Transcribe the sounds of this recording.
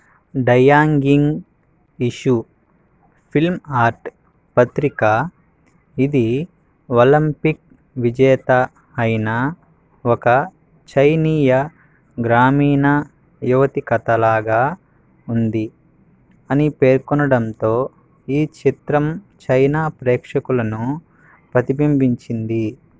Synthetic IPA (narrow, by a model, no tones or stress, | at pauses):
ɖɐjaːŋɡiŋɡ | iʃu | pʰilmaːɾʈ | pɐt̪ɾika | id̪i | olɐmpik̚ | ʋid͡ʒɛːt̪ɐ | ɐjna | ɔkɐ | t͡ʃɐjniːjɐ | ɡɾaːmiːnɐ | juʋɐt̪ikɐt̪ɐlaːɡaː | und̪i | ɐnipe̞ːɾkɔnɐɽɐnt̪o̞ː | iːt͡ʃit̪ɾɐmt͡ʃɐjnaːpɾɛːkʂɐkulɐnu | pɾɐt̪ibimbiɲt͡ʃind̪i